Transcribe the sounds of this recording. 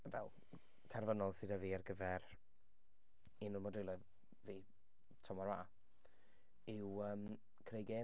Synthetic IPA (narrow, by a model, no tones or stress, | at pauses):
vɛ̰lˠ | tʰarvənɔlˠsɪdɔviːarɡəvɛr | inʊlˠmɔdɪlˠə | viː | tʰɔmɔɾwaː | ɪwəːm | kʰrejɡeː